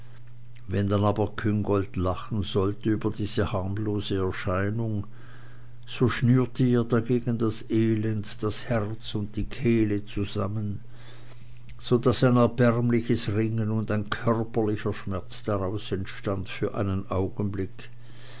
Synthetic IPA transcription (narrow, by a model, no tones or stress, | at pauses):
vɛndanaːbɐkʰʏŋɡɔltlaχn̩zɔltəyːbɐdiːz̥əhaʁmloːzəɛɐʃaɪnʊŋ | z̥oːʃnyːɐtʰəeːɐdaɡeːɡən̩dasʔeːlɛntd̥ashɛʁt͡sʊnt̚d̥iːkʰɛːlət͡suza̰mən | z̥odasaɪnɛɐbɛʁmlɪçəsʁɪŋənʊndaɪnkʰœʁpɐlɪçɐʃmɛɐt͡sd̥aʁaʊsɛntʃtantfyːɐʔa̰ɪnənʔaʊɡn̩blɪk